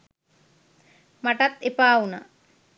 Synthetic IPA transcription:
maʈat̪epaːuna̰

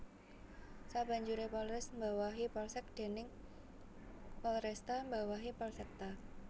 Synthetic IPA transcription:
sab̥a̤ɲd͡ʒuɾepɔlrɛsmbawaɦipɔlsɛk̚d̪̥e̤nɪŋ | pɔlɾɛst̪ambawaɦipɔlsɛk̚t̪a

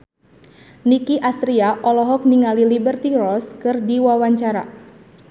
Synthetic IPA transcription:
nikiʔast̪ɾiaʔɔlɔɦɔk̚niŋalilibərt̪irɔskɨrdiwawaɲt͡ʃaɾa̰

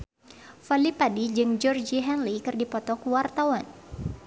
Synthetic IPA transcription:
falipadid͡ʒɨŋd͡ʒɔrd͡ʒiɦɛnlikɨrdipɔt̪ɔkuwart̪awan

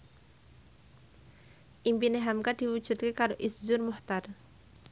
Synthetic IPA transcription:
ʔimpineɦamkad̥iwu̥d͡ʒ̥ṳt̪̚kekaɾoʔisd͡ʒʊrmʊht̪ar

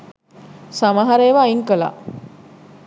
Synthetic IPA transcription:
samaɦaɾejʋaiŋkəla̰

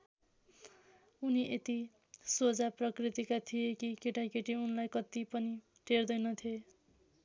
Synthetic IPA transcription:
uniʔet̪i | sod͡zaprʌkrit̪ikat̪ʰijekikeʈakeʈiunlajkʌt̪ipʌni | ʈʰerd̪ʌjnʌt̪ʰie

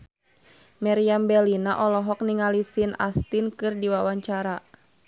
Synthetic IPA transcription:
maɾiambɛlinaʔɔlɔɦɔk̚niŋalisina̰st̪inkɨrdiwawaɲt͡ʃaɾa

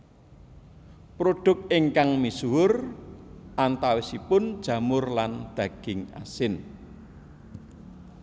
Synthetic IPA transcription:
pɾoɖ̪̥ʊ̤k̚ɪŋkaŋmisuʊr | ʔant̪awɪsipʊnd̥ʒ̥ä̤mʊrland̪̥ä̤ɡ̥ɪŋa̰sɪn

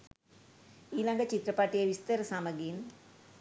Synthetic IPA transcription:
ilɐŋɡɐt͡ʃit̪ɾɐpaːʈːijɐʋist̪ɐɾɐsaːmɐɡin

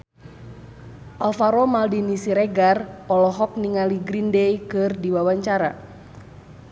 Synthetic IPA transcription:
ʔalfaɾɔmaldinisiɾɛɡarɔlɔɦɔk̚niŋaliɡɾindɛjkɨrdiwawaɲt͡ʃaɾa

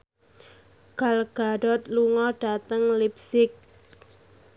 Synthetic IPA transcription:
ɡ̥alɡ̥aɖɔt̪̚luŋɔɖ̥a̤t̪əŋlip̚sɪk̚

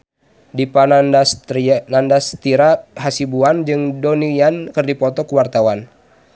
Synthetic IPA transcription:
dipana | nandast̪iɾaɦasibuand͡ʒɨŋdɔnijankɨrdipɔt̪ɔkuwart̪awan

